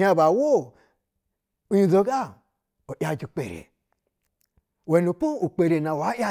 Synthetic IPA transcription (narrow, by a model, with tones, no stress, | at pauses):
a˧˨ba˨wo˦ | u˦jũ˧˨zo˧ɡa˦ | o˨ʔʲja˧d͡ʒi˨k͡pḛ˨ɾḛ˨ | we˨no˨k͡pu˦u˨k͡pe˨ɾe˨nã˨wa˨˦ʔʲja˦